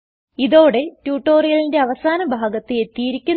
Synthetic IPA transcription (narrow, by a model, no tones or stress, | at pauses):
iðo̞ːɽe̞tjuːʈːo̞ːrijɐlinde̞ɐʋɐsaːnɐbʱaːɡɐt̪ːiet̪ːijiɾikʲːun